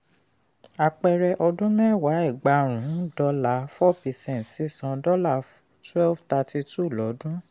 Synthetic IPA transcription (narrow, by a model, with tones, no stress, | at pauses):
a˧˨k͡pɛ˧ɾɛ˧ʔɔ˧dũ˦mɛ̃˦˨wa˨˦ɛ˦˨ɡ͡ba˨˧ɾ̃ũ˨˦dɔ˧la˨˦fɔ˦pɛ˨˧sɛ̃˦˨n˨tsi˨˦sɔ̃˨˧dɔ˦la˦˨ | twɛ˦lfta˧ti˧tu˦˨lɔ˨˦dũ˦